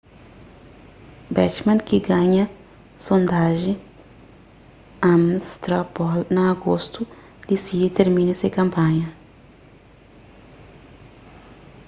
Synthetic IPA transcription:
bɛt͡ʃmãnkiɡaɲɐ | sõnd̪aʒĩ | amst̪ɾapɔlnɐːɡost̪u | lisiet̪eɾmĩnɐsekɐ̃mpãɲɐ

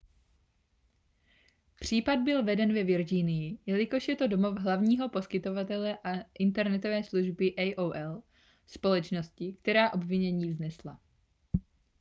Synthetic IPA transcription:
pr̝̥iːpad̪̚bɪlvɛdɛnvɛvɪɾd͡ʒiːnɪjɪjɛlɪko̞ʃjɛt̪o̞domo̞vɦlavɲiːɦo̞po̞skɪt̪o̞vat̪ɛlɛʔaʔɪnt̪ɛɾnɛt̪o̞vɛːsluʒbɪʔɛjʔowʔɛl | spo̞lɛt͡ʃno̞scɪkt̪ɛɾaːʔo̞bvɪɲɛɲiːvznɛsla

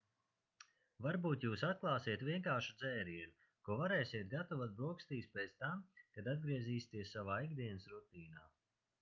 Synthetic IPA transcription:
vaɾbuːt̪juːsat̪̚klˠɑːsiɛt̪vʲiɛŋkaːɾʃud̪zɛːɾiɾu | kuɔvaɾɛːsʲiɛt̪̚ɡat̪ɔvat̪̚bɾuɔkst̪iːspɛt̪st̪amkad̪ad̪̚ɡɾiɛziːsʲt̪iɛsːavaːiɡd̪iɛnɨsɾut̪iːnaː

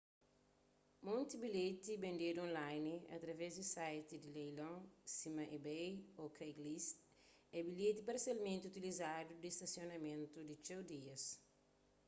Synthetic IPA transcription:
mõnt̪ibilet̪ibẽnd̪ed̪uõnlajniɐ̰t̪ɾɐvɛzd̪isajt̪id̪ilejlõsĩmɐʔibejokʰɐiɡlist̪ | ɛbilet̪ipɐɾsjalmẽnt̪iut̪ilizad̪ud̪ist̪ɐsionɐmẽnt̪ud̪it͡ʃewd̪iɐs

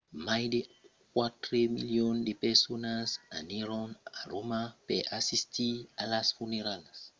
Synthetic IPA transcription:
majde | kwatɾemiljondepɛsonasaniɾõŋaɾomapeʔasistialasfuneɾalas

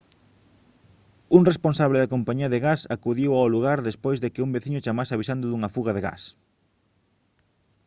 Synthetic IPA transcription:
uŋresponsaβleðɐkompaɲiɐðɪɣasakuðiwaoluɣaɾðespojzðekɪumbeθiɲʊt͡ʃamasɪaβisand̪ʊðuŋɐfuɣɐðeɣa̰s

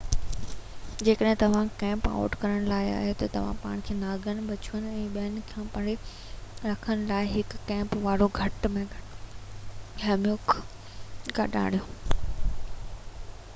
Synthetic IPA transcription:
d͡ʑeːkəɗɦɪ̃t̪ɐʋ̤ãkɛ̃ːmpa̰ːʊʈkɐɾəɽ̃laːɪa̰ːɦet̪ɐt̪ɐʋ̤ã̰paːɽ̃kʰeːnaːɡʱəñ̆ɓɐt͡ɕuʋənɪ̆ɛ̃ːɓiənɪ̆kʰãpɐɽe | ɾɐkʰəñɪ̆laːɪɦɪkːɛ̃ːmpʋaːɾoɡʱɐʈmẽ | ɡʱɐmjoːk | kʰaɗa̰ːɽ̤ijõː

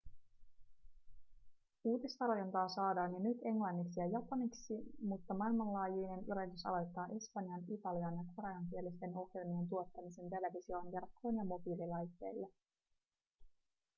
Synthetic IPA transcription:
uːt̪ist̪ɑlojɑnt̪ɑːsɑːdɑːnjɑnyt̪e̞ŋlɑnːiksijɑjɑpɑniksimut̪ːɑmɑilmɑnlɑːjiːne̞nyɾit̪ysɑ̰lo̞jt̪ːɑːʔe̞spɑnjɑnit̪ɑliɑnjɑkoɾɑjɑŋk̟ielist̪e̞no̞kjenie̞nt̪uo̞t̪ːɑmise̞nt̪e̞le̞ʋisio̞ːŋkerkʰːo̞ːnjɑmo̞biːlilɑjt̪ːe̞̰jlːe

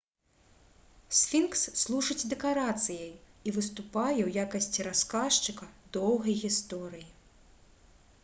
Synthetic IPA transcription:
sʲfʲinksːlˠuʐɨd͡zʲd̪ɛkaɾat̪sɨjɐjivɨst̪upajɛwjakɐsʲt͡sʲiɾaskaʂt͡ʂɨkɐd̪ɔwɣɐjɣʲist̪ɔɾɨji

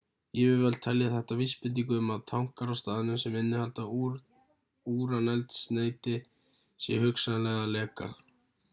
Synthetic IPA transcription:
jɛvɪvɛlt̪ʰɛljaθɛht̪avispɪnt̪̬iŋkʏʏmaðt̪ʰawŋ̥kaɾawst̪aːðɪnʏmsɛmɪnːɪhalt̪a | uːɾanɛlt̪sneːjt̪ɪ | sjɛ̰hʏksalɛɣalɛːka̰

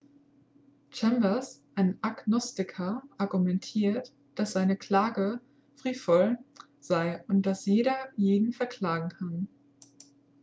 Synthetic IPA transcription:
t͡ʃɛmbɐsʔaɪnaɡnɔstɪkʰɐʔaɐɡumɛntʰiːɐt | d̥asz̥aɪnəkl̥aːɡə | fʁ̥iːtfɔl | z̥aɪʊnt̚d̥asjeːɾɐjeːdn̩fɛɐkl̥aːɡŋ̩kʰan

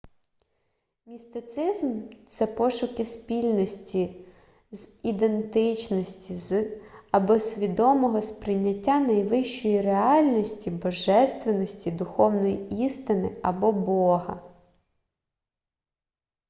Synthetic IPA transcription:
mʲist̪ɪt̪sɪzmt̪sɛpɔʃʊkɪspʲilʲnɔsʲtʲi | zid̪e̞nt̪ɪt͡ʃnɔsʲtʲizɐbɔsʲʋʲid̪ɔmɔɦɔspɾɪnʲːɐtʲːanɐjʋɪʃt͡ʃɔjireɑlʲnɔsʲtʲibɔʒɛst̪ʋenɔsʲtʲid̪ʊxɔwnɔjiist̪ɪnɪɐbɔbɔɦɐ̰

